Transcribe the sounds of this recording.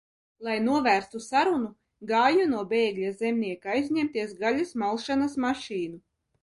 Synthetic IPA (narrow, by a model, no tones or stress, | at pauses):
lˠajnuɔvæːɾst̪usaɾunu | ɡaːjunuɔbɛːɡlʲazemnʲiɛkaajzʲɲʲɛmt̪iɛsɡalʲasmalˠʃanasmaʃiːnu